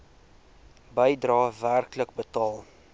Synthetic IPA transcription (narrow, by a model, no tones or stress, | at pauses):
bəjdrɑːværklək̚bətɑːlˠ